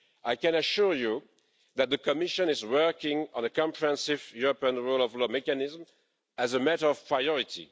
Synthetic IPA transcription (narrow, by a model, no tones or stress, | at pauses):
ajkɛ̃nəʃuɹju | ðæt̪̚ðəkɔmɪʃɔ̃nɪzwɜ˞kɪ̃ŋɔ̰̃nəkɔ̃mpɹihɛ̃nsivjuɹɔpiə̃nɹolɔvlɔmɛkanɪzm | æzəmɛɾə˞ɔv̥pʰɹajɔɹitʰḭ